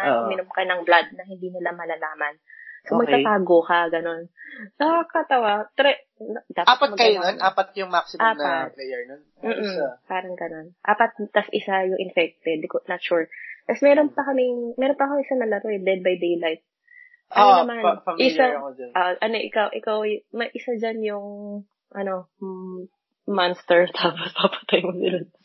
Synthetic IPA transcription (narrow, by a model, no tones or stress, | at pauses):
amɪnʊmkɐnɐŋblad̪̚nɐhɪnd̪iːnɪlamɐlalaːmɐnsomɐɡ̪at̪aːɡokɐɡɐno̞nnɐkakɐt̪ɐwat̪ɾɛ | nɐd̪aːaːɐtpɐt̪mɐɡkɐjononʔaːpɐt̪̚kɐjoŋmaksɪmaːnɐaplɛjɛɹnon | m̩ːʔ̩paːɾɐŋɡɐno̞nʔaːpɐt̪̚t̪ɐsʔɪsajʊŋʔɪnfɛk̚t̪ɛd̪konɐt̪ʃuɹt̪ɐsmɛːɾonpɐkɐmɪŋmɛɾonpɐkɐmɪŋʔɪsanɐlɐɾoɛd̪ɛd̪̚bajd̪ejlajt̪̚ | ʔɐnɐmanɐʔɪsaod͡ʒɐnʔaʔɐnoʔɪkawʔɪkawjmɐʔɪsad͡ʒanjʊŋ | ʔɐno̞ | manst̪ɛɹt̪ʰaːpospɐpɐ̥t̪ɐjmonɪlɐn